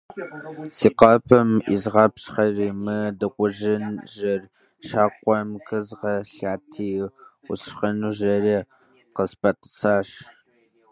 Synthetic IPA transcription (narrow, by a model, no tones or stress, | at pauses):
siqɑːpʰɐmʔḭzʁɑːpɕχɐriːmɨdɨqʷʊʒɪnʒɐr | ʃaːqʷʼɔmkʰɨzʁɐɬaːtʰiː | ʊχɐnuːʒɐriː | qəspʰɐtʼt͡sʰaːʂ